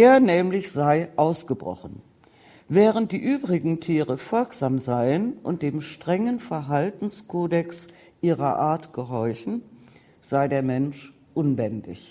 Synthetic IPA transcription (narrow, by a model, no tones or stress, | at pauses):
ʔeːɐnɛːmlɪçz̥aɪʔaʊsɡ̥əbʁɔ̰χn̩ | vɛːʁ̞ənt̚d̥iːʔyːbʁɪɡŋ̩tʰiːʁəfɔlkz̥aːmzaɪənʔʊ̰nt̚d̥eːmʃtʁ̥ɛŋənfɛɐɦaltn̩skʰoːdɛks | ʔiːʁɐʔaːɐtɡ̥əɦɔɐçn̩ | z̥aɪdeːɐmɛnʃ | ʔʊnbɛndɪ̰ç